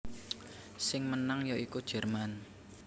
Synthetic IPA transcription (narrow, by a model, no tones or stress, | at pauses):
sɪŋmənaŋjɔikud̥ʒ̥ɛ̤rman